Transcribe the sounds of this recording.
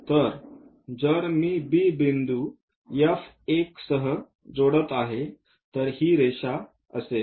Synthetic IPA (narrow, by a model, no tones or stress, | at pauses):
t̪əɾ | d͡zəɾmiːbiːbind̪u | jəf | eksəɦə | d͡zoɽət̪aɦe | t̪əɾhiːɾeɕa | ə̰se